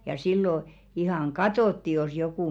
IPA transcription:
jɑ silːo ihɑŋ ɡ̊ɑtoˑtːi jos jokuˑ

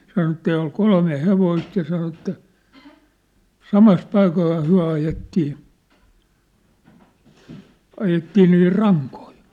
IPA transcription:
sɑno etːæ ol kolme heʋoist jɑ sɑno etːæ sɑmɑs pɑikoihɑ hyæ̝ ɑjetːiː ɑjetːiː niː rɑŋkoi

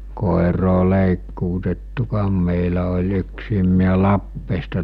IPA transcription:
koˑeroː leˑikːuːtetːukɑːm meˑilæ olʲ yksiːm miæ lɑpːeːstɑ

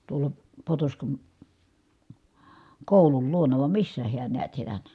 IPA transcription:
tuolɑ potoskɑn koˑulul luonɑ ʋɑm misːæ hiæn niæt sielæ

